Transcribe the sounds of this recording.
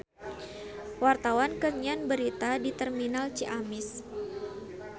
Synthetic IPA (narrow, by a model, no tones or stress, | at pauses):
wart̪awankəɲanbəɾit̪adit̪ɛrminalt͡ʃiʔamɪs